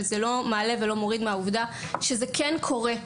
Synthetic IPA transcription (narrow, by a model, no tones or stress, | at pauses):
lzelo̞maːle̞velo̞mo̞ʁid̪meauvd̪aʃezekenkʰo̞ʁe